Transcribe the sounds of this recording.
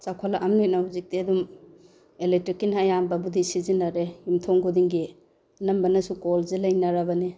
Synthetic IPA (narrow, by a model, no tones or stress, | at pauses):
t͡ʃakʰalaʔamnojt̚nahuzik̚teɐdum | eletɾikːinaːjambɐbudisizinaɾehimtʰɔŋɡudiŋɡi | ɐnɐmbɐnɐsukolzelajnaɾabɐni